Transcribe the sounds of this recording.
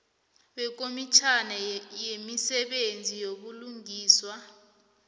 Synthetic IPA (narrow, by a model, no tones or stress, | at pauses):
ɓɛk̬omit͡ʃʰanɛjemisɛɓend͡zʱijoɓuluŋiːswa